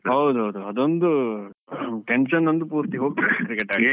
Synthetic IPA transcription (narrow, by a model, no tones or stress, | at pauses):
ɦɐwd̪uɦɐwd̪uɐd̪ond̪u | ʈenʃɐnːɐnd̪upuːɾt̪iɦoːɡ̚t̪ɐkɾikeʈaːɡi